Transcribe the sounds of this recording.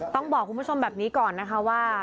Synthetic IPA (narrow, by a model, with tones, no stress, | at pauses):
t̪ɔ˥˩ŋbɔː˨˩k̚ʰːu˧npu˦˥˩o˧mbɛː˨˩p̚niː˦˥kɔː˨˩nːa˦˥kʰa˦˥waː˥˩